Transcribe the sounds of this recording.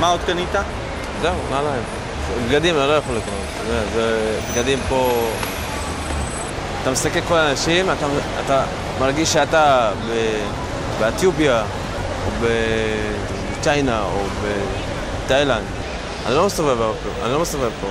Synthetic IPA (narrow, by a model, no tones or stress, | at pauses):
maod̪kanit̪a | zeumalaem | bɡad̪imanalo̞jaχolːiknott̪odeazebɡad̪impo̞ | at̪amesakelko̞laːnaʃimat̪aa̰t̪a | maʁɡiʃːeat̪abe | beet̪jupija | obe | bet͡ʃajnaobe | t̪ajland̪ | a̰nilo̞mesavevbeopoʔa̰nilo̞mesavevpo